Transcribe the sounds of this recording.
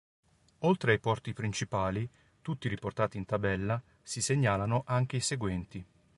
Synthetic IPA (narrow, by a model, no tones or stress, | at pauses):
olt̪ɾeajpɔrt̪ipɾint͡ʃipaːli | t̪ut̪ːiɾiport̪aːt̪iːnt̪abɛlːa | siseɲːaːlanoʔaŋk̟eiseɡwɛnt̪i